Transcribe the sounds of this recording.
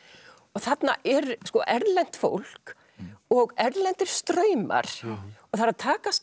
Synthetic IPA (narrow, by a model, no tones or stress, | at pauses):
ɔɣθat̪na̰ʔɛɾskɔʔɛɾlɛn̥t̪fo̰wl̥k | ɔɣɛɾlɛnt̪ɪɾ̥st̪ɾœːɥma̰ɾ̥ɔɣθaɾaðt̪ʰaːkas